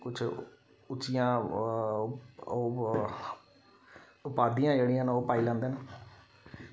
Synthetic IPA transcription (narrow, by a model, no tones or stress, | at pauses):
kʊt͡ʃʰ | ʊt͡ʃɪjãː | oː | ʊpaːd̪ijãːd͡ʒeːɽijãːnoːpaːiːlãːnd̪eːn